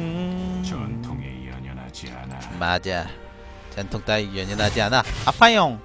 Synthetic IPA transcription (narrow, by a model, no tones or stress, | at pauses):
ntʰoŋnaianamad͡ʑa | t͡ɕʌnt̪ʰoŋt͈aijeɲʌnad͡ʑianaapʰajoŋ